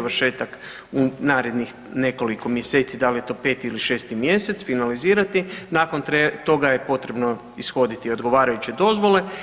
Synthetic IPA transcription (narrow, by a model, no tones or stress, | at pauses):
ʋɾʃe̞ːt̪ak | unaːɾe̞d̪nix | ne̞ko̞liko̞mjese̞ːt̪sid̪alije̞t̪o̞ːpe̞t̪iiliʃe̞ːst̪imje̞set̪sfinaliziːɾat̪inako̞nt̪et̪o̞ɡaje̞po̞t̪ɾe̞bno | isxo̞d̪it̪io̞d̪ɡo̞ʋaːɾajut͡ɕed̪o̞zʋo̞le̞